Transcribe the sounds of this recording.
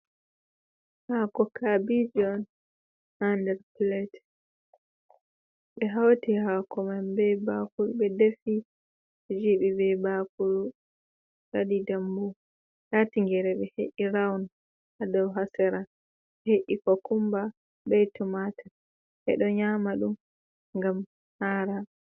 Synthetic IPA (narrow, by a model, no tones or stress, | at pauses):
hakɔkabid͡ʒɔn | handɛɾplɛt | ɓɛɦawtihakɔmanbɛbakulɓɛdefi | ɛd͡ʒiɓibɛbakulu | ɗadidambu | jatiŋɡɛɾɛɓɛhḛʔiɾawn | adɔwɦasɛɾa | ɓɛheʔikɔkumba | ɓɛjtɔmata | ʔɛ̰ɗɔɲamaɗum | ŋɡam | haːɾa